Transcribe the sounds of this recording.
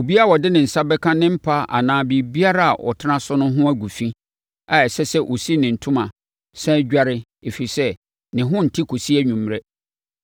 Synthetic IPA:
o˨bi˦a˦˨ɔ˨dɪ˦nɪ̃˨n̩˨sa˦bɛ˦kʰã˦nɪ̃˦m̩˦pʰa˦a̰˨nãː˦bi˨bi˦a˦ɾa˦a̰˨ʔɔ̰˨tʰɪ˦nã˦sʊ˦nʊ̃˦ɦʊ̃˦æ˦ɡʷu˨fĩ˦ | a˨ɛ˨sɛ˦sɛ˦ʔo˨si˦nɪ̃˨n̩˨tʰʊ̃˦mã˨ | sɛ̃˦d͡ʑᶣa˦ɾɪ˦ | e˨fi˨ɾi˨sɛ˦ | nɪ̃˨ɦʊ̃˦n̩˨tʰi˦kʰo˨si˦æ˦ɲᶣũ˨mː˦ɾɛ˦

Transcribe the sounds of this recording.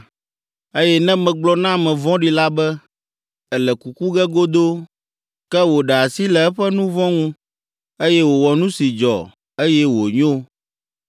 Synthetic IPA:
e˦jɛ˦nɛ̃˦mɛ̃˨ɡ͡blɔ˦nã˦˨mɛ̃˨vɔ̃˦ɖi˨la˦bɛ˦ | ɛ˨lɛ˨ku˨ku˦ɡɛ˦ɡo˦d̪o˦ | kɛ˦wo˨ɖɛ˨a˨si˦lɛ˨ɛ˦ɸɛ˦nũ˦vɔ̃˦ŋũ˦ | e˦jɛ˦wo˨wɔ˨nũ˦si˨d͡ʒɔ̰˨ | e˦jɛ˦wo˨ɲo˦

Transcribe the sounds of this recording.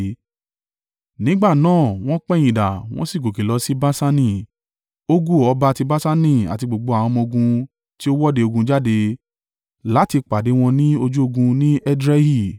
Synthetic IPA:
nĩ˦ɡ͡ba˦˨nãː˦˨w̃ɔ̃˦k͡pɛ˦˨j̃ĩ˨da̰˨w̃ɔ̃˦si˦˨ɡo˨ki˨lɔ˨˦si˦ba˦sa˦nĩ˦˨ | o˦ɡu˦˨ɔ˧ba˧˦˧ti˧ba˦sa˦nĩ˦˨a̰˨ti˧ɡ͡bo˨ɡ͡bo˧a˨w̃ɔ̃˧mɔ̃˧ɡũ˧ | ti˦o˦wɔ˦de˧o˧ɡũ˧d͡ʒa˦de˧ | la˨˦ti˧k͡pa˨de˨˦w̃ɔ̃˧nĩ˦o˧d͡ʒu˦o˧ɡũ˧nĩ˦ɛ˦dɾɛ˦hi˦˨

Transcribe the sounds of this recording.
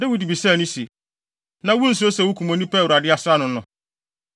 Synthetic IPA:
dɪ˦wu˦di˨bi˨sɛ̃˦˨nʊ̃˦si˨ | nã˦wũ˦n̩˨s̬ʊ˦o˦sɛ˨wʊ˦kʰu˨mɔ̃˨nĩ˦pɛː˦˨wu˨ɾa˨dɪ˦a˨sʊ˦a˦nʊ̃˨nʊ̰̃˨

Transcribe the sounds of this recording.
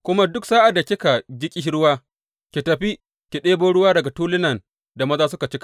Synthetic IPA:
kʷʊ˦ma˦dʊ˦ksaː˦ʔa˨da˨kʲɪ˦ka˨d͡ʒɪ˦kʲʼi˦ʃɽʊ˦waː˦ | kʲi˨tɐ˨ɸi˦ | kʲi˨ɗeː˦boː˦ɽʊ˦waː˦dɐ˨ɡa˨tuː˦lɪ˦nɐ˨n | da˨mɐ˦zaː˦s̬ʊ˦ka˨t͡ʃɪ˦kḁ˨ʔ

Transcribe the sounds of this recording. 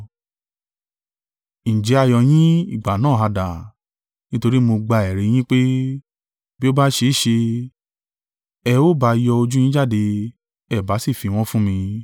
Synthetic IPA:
ñ̩˨d͡ʒɛ˨˦a˧jɔ˧j̃ĩ˦ḭ˦˨ɡ͡ba˨nãː˦˨a˧da˨ | nĩ˦to˧ɾi˦mo˧ɡ͡ba˧ɛ˨ɾe˨˦j̃ĩ˦k͡pe˦ | bi˦o˦ba˦ʃe˧˦˨ʃe˧ | ɛ˧o˦ba˧˦˧jɔ˧o˧d͡ʒu˦j̃ĩ˦d͡ʒa˦˨de˧ | ɛ˦˨ba˨˦si˦˨fi˨˧w̃ɔ̃˦fũ˦mĩ˧

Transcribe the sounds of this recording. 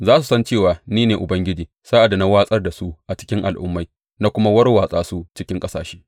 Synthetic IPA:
zaː˦su˨sɐ˦nt͡ʃeː˦˨waː˨niː˦neː˨ʔʊ˨bɐ˦ŋɡʲɪ˦d͡ʒiː˨ | saː˦ʔa˨da˨na˦waː˦sʼɐ˦rda˨su˦ʔʔa˨t͡ʃɪ̥˦kʲɪ˦ŋʔa̰˨lʔʊ˦mːa˦j | na˦kʷʊ˦ma˦wɐ˦rwaː˨sʼaː˦su˦t͡ʃɪ˦kʲɪ˦ŋkʼɐ˦saː˨ʃe̥ː˦

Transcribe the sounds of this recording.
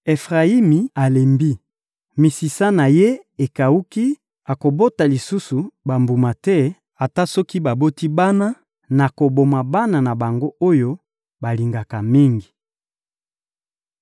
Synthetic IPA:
e˨fʁa˨i˦mi˨a˨le˨mbi˦ | mi˨si˨sa˦na˨je˦e˨ka˨u˦ki˦ | a˨ko˨bo˦ta˨li˨su˦su˨ba˨mbu˨ma˨tɛ˦ | a˨ta˦sɔ˦ki˦ba˨bo˦ti˦ba˦na˦ | na˨ko˨bo˨ma˨ba˦na˨na˨ba˨ŋɡo˦ʔo˦jo˦ | ba˨li˨ŋɡa˨ka˨mi˦ŋɡi˨

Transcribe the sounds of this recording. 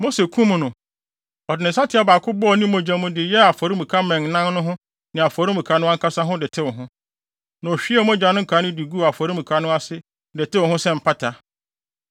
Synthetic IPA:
mo˦se˨kʰũ˦m˨nʊ̃˨ | ɔ˨dɪ˨nɪ̃˨n̩˨sa˦tʰɪ˨˦a˦baː˨kʰʊ˦bɔ˦ɔ˨nĩ˦mõ˨d͡ʑã˦mʊ̃˦dɪ˨jɛ˦a˨fɔ˨ɾi˦mũ˨kʰa˦mɛ̃˨ŋnã˦n˦nʊ̃˦ɦʊ̃˦ | nɪ̃˨a˨fɔ˨ɾi˦mũ˨kʰa˨nʊ̃˦a˦ŋ̩kʰa˦sa˦ɦʊ̃˦dɪ˨tʰɪ˦wʊ˨ɦʊ̃˦ | nã˨ɔ˨ɕᶣi˦ɛ˦mõ˦d͡ʑa˨˦nʊ̃˦kʰa˨˦nʊ̃˦di˨ɡu˦˨a˨fɔ˨ɾi˦mũ˨kʰa˨nʊ̃˦a˦sɪ˦ | dɪ˨tɪ˦wʊ̃˨hʊ̃˦sɛ̃˦˨m̩˨pʰa˦tʰa˨

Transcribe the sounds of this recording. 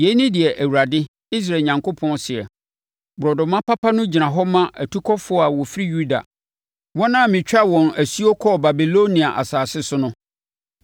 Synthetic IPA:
je˨˦nĩ˦dɪ˨ɛ˨ʔæ˨wu˨ɾa˨dɪ˦ | i˦s̬ɾa˨ɲã˨ŋkʰo˦pʰɔ̃˦nsɪ˨ɛ̰˨ | bʊ˨ɾɔ˨dʊ˨mã˦pa˦pʰa˦nʊ̃˦d͡ʑi˨nã˨ɦɔ˦mã˦ʔæ˨tʰu˦kʰɔ˦fʊ˦ɔ˦a˨wɔ˨fi˦ɾi˦ju˦da̰˨ | wɔ̃˦nã˦˨mɪ̃˨t͡ɕᶣa˦˨wɔ̃˨næ˨si˦o˦kʰɔ˦ba˨bi˨lo˦nĩ˨a˨ʔa̰˨saː˨sɪ˦sʊ˦nʊ̃˦

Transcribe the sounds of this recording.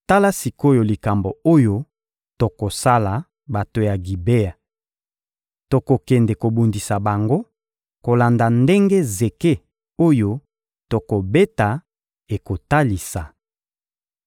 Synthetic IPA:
ta˦la˦si˨ko˦jo˨li˨ka˨mbo˨o˦jo˦ | to˨ko˨sa˦la˨ | ba˨to˨ja˨ɡi˨be˦a˨ | to˨ko˨kɛ˨nde˨ko˨bu˨ndi˨sa˨ba˨ŋɡo˦ | ko˨la˨nda˨nde˦ŋɡe˦ze˨ke˦ | o˦jo˦ | to˨ko˨be˦ta˨ | e˨ko˨ta˦li˨sa˨

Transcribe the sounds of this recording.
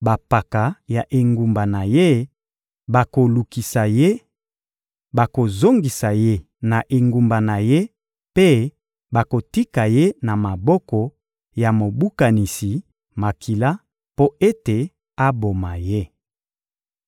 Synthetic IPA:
ba˨pa˨ka˨ja˨ʔe˨ŋɡu˨mba˨na˨je˦ | ba˨ko˨lu˨ki˨sa˨je˦ | ba˨ko˨zo˦ŋɡi˨sa˨je˦ | na˨ʔe˨ŋɡu˨mba˨na˨je˦ | pe˦ | ba˨ko˨ti˦ka˨je˦na˨ma˨bɔ˦kɔ˨ | ja˨mo˨bu˦ka˨ni˨si˨ | ma˨ki˨la˦ | po˦e˦te˨ | a˦bo˨ma˨je˦

